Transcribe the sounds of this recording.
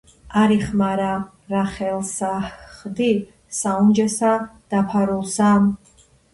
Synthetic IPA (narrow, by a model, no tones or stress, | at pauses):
aɾiχmaɾa | ɾaχɛlˠsaχd̪i | saund͡ʒɛsad̪̥apʰaɾulˠsam